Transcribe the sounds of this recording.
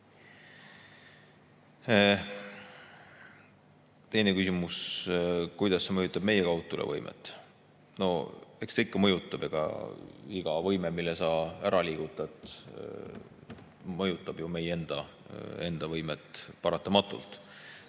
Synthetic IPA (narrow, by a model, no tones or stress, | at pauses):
t̪e̞jne̞kysimus | kujd̪̥ɑsːe̞mɤjut̪ːˑɑb̥me̞jekɑwt̪ːˑulʔḛvɤ̰jmʔḛt̪ːˑ | no̞ekst̪eikːɑmɤ̞jut̪ːˑɑb̥eɡ̥ɑ̰iɡ̥ɑvɤjmemilːesɑːæɾɑliːɡ̥ut̪ːˑɑet̪ | mɤjut̪ːˑɑb̥jume̞je̞nd̪̥ɑ | e̞nd̪̥ɑvɤjmet̪ˑpɑɾɑt̪ːˑɑmɑt̪ːˑṵlt̪ˑ